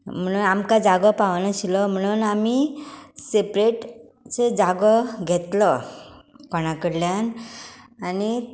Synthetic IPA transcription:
m̤əɽ̃uːnamkad͡zaɡɔpaʋnaɕilɔm̤əɽ̃uːnamisepɾeʈ | t͡sed͡zaɡɔɡʱet̪lə | kɔɽ̃akəɾljan | ani

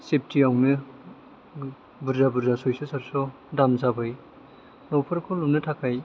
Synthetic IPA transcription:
sep̚ʰtʰiawnɯ | buɾzabuɾzasɔjsɯsaɾsɔ | damzabɯj | nɔwpʰɯɾkʰɔlupnɯtʰakʰaj

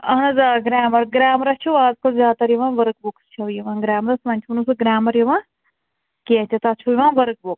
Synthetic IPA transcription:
ɐɦnɐzaɡɾaːmɐɾɡɾaːmɾɐt͡ʃʰuaːzkɐlzʲaːt̪ɐɾjiʋãːnʋɐɾk̚bukst͡ʃʰɐʋjiʋãːɡɾaːmɾɐsʋɐnʲt͡ʃʰuunusɨɡɾaːmɐɾjiʋãː | ket͡ʃʰɐt̪at͡ʃʰujiʋãːʋɐɾk̚buk

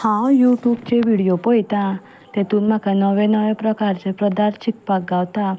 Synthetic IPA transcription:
hãjuʈjubt͡ʃeʋiɽijopɔjt̪a | t̪et̪ũnmakanɔʋenɔʋepɾəkaɾt͡ʃʰepɾəd̪aɾt͡ʃʰik̚pak̚ɡaʋt̪a

